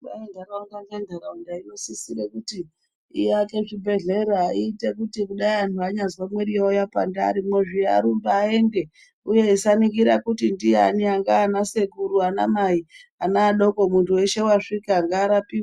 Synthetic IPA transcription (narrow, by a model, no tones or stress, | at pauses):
aendʱaɾaundandandʱaɾaundaino̞sisiɾekuti | ḭjake̞ʐibʱe̞ɮe̞ɾaiːte̞kutikuɗaiantuaɲazwamwe̞ɾijojapa̰nda̰ɾimweʐia̰ɾumbaːe̞nde̞ | uje̞isanikiɾakutindija̰niaŋɡaːnase̞kuɾuana̰maianaːɗo̞ko̞muntʰuwe̞ʃe̞waʂikiaŋɡaːɾapiwa